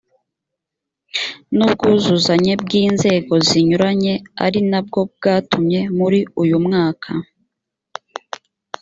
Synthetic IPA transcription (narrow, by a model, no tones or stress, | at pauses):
nubɡuːzuzaɲe̞bɡiːnze̞ːɡo̞ziɲuɾaɲe̞a̰ɾinab̚ɡo̞b̚ɡaːtumɲe̞muɾiujumŋaːkʰa